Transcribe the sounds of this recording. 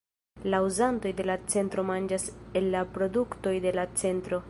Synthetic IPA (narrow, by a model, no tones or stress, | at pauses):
lauzanto̞jde̞lat͡se̞ntɾo̞mand͡ʒase̞lːapɾo̞dukto̞jde̞lat͡se̞ntɾo̞